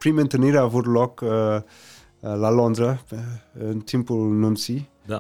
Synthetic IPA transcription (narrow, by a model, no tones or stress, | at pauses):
pɾimə̃nt̪əniɾavuɾlɔk | lalɔ̃nd̪ɾə | nt̪ʰĩmpununsi